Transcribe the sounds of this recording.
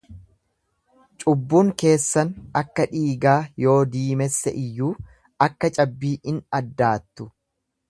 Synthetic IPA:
t͡ʃʼʊbːuːŋke̞ːsːɐnɐkːɐᶑiːɡaːjo̞ːd̪iːmɛsːɛʔɪjːuː | ɐkːɐt͡ʃʼɐbːiːʔɪnɐd̪ːaːt̪ːʊ

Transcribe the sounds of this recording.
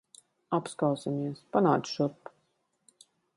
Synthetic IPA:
apskawsamiɛspanaːt̪sʃuɾpː

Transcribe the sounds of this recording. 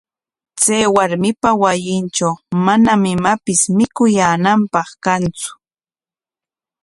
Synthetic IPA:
t͡sajwaɾmɪpawajɪnt͡ʃawmanamɪmapɪsmɪkʊjaːnampɑχkant͡sʊ̥

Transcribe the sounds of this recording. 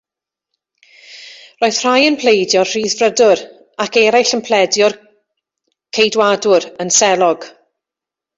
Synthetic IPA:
roɨð̥r̥ajənpʰl̥ejdjɔrr̥iːðvrədʊɾ | akɛɾajɬənpʰlɛdjɔr | kʰejdwadʊɾənsɛlˠɔɡ̥

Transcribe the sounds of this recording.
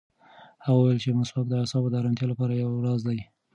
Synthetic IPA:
haɣwjəlt͡ʃemʊsbakd̪əasɑbod̪əaɾɑnt̪jɑlapɑɾajawɾɑzd̪aj

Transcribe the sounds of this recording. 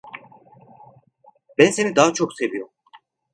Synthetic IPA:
bænse̞nid̪aːat͡ʃʰokse̞vijom

